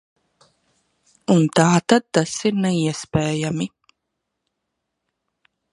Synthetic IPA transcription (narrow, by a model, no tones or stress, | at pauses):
unt̪aːt̪ad̪̚t̪asiɾneiɛspeːjami